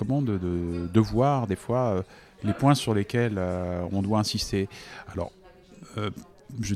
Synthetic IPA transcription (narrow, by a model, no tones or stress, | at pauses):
ɔmɑ̃d̪əd̪əd̪əvwaʁd̪efwaø | lepwɛ̃syʁlekʲɛløɔ̰̃d̪waɛ̃sist̪ealɔ̰ʁ | ø | ʒə